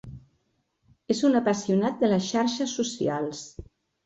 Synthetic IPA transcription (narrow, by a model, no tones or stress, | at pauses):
ezunəpasiunat̪̚d̪ələsʃaɾʃəsːusialˠs